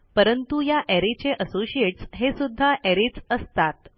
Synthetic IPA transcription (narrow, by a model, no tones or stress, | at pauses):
pəɾənt̪ujaʔɛɾit͡ɕeʔəsoɕieʈsɦesud̪ʱːaʔɛɾiːt͡səst̪at̪